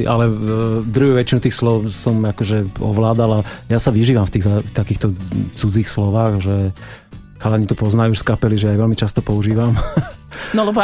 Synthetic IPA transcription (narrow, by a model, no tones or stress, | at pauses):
ʔalɛd̪ɾuɦuʋɛt͡ʃinut̪iːxslɔʊsɔmakɔʒɛɔ̰ʋlaːd̪alajasaʋiʒiːʋamft̪iːɣzaft̪akiːxt̪ɔt͡sud͡ziːxslɔʋaːɣʒɛ | xalaɲit̪upɔznajuʃskapɛliʒɛjajʋɛlmit͡ʃast̪ɔpɔuʒiːʋam | nɔlɛbɔ